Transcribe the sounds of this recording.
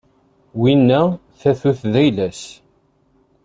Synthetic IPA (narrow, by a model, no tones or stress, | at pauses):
winːæ | θæθuθðæjlæs